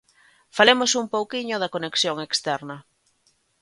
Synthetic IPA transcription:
falemosumpowkiɲʊðɐkoneksjoŋekst̪ɛɾnɐ

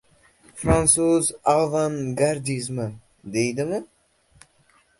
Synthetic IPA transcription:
fɾansuzalˠvanɡaɾd̪izma | d̪ejd̪ɪmɪ

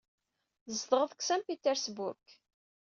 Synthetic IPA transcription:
zd̪ʁəðksæmpit̪ːɛɾsbʊ̰ɾk

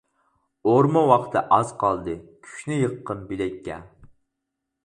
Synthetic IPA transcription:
oɾmɑwɑχt̪ʰɨʔɑz̥qʰɑlˠd̪ɨkʲʰy̥ʃnɪjəqːəmbilɛkʲːɛ̰

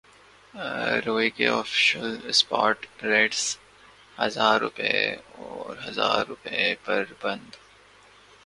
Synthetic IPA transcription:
ɾoːikeɔːfɪ̥ʃəlspɔːɾʈɾeːɖs | hɐzaːɾːʊ̰pɛeɔːɾɦɐza̰ːɾːʊpɛepɐɾbɐ̃nd̪

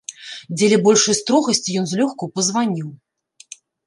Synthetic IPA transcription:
d͡zʲelʲɛbɔlʲʂɐjst̪ɾɔɣɐsʲt͡sʲijɔnzʲlʲɔxkuwpɐzvanʲiw

